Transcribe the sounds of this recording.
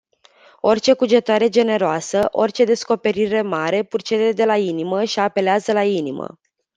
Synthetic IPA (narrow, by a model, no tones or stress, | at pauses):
o̞rʲt͡ʃe̞kud͡ʒe̞t̪aɾe̞d͡ʒe̞ne̞ɾoasəʔo̞̰rʲt͡ʃe̞d̪e̞sko̞pe̞ɾiɾe̞maɾe̞purt͡ʃezed̪e̞lainiməʃiape̞leazəlainimə̰